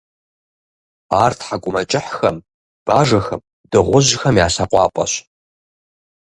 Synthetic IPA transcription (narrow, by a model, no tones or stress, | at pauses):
aːrtʰħakʷʼʊmɐt͡ʃʼɪħxɐm | b̥aːʐɐxɐm | dɨʁʷʊʑxɐmja̰ːsaqʷʼɑ̰ːpʼɐ̰ɕ